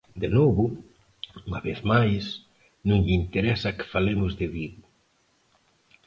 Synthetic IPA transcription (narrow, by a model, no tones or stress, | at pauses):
d̪enoβʊ | uŋaβeθmajs | nũŋʎint̪eɾɛsɐkɪ̥falemʊzðɪβið